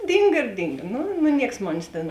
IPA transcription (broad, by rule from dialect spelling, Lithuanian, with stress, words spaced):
ˈdʲiːŋɡɐ ɪr ˈdʲiːŋɡɐ ˈnʊ nʊ ˈnʲiɛks ˈmoːnʲeːs tʲeːn